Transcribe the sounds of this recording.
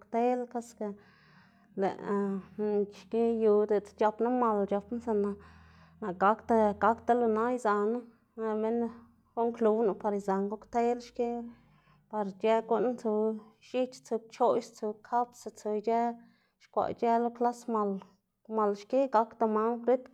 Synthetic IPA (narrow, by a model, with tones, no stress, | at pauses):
kt̪e˦lka˦ska˧ | lḛ˨ʔ | ʃke˦ju˧d̪e˨t͡st͡ʃa˧pna˦ma˧lt͡ʃa˧pna˦sa˧na˧ | na˨ɡa˨˦kt̪a˧ɡa˨˦kt̪a˧lo˧na˦jza˨na˦˧ | me˦n | ɡo˦ŋklu˧wnu˧pa˧ɾi˨za˨ŋɡo˦kt̪e˦lʃke˦ | pa˧ɾd͡ʒe˦ɡo˧ʔn˦t͡su˧ʃi˦t͡ʃt͡su˧t͡ʃo˦jst͡su˧kʰa˦psa˧t͡su˧d͡ʒe˦ | ʃkʷa̰˨t͡ʃe˦lo˧˦kla˦sma˧l | ma˨lʃke˦ɡa˧kt̪a˧ma˧˦nɾe˦t̪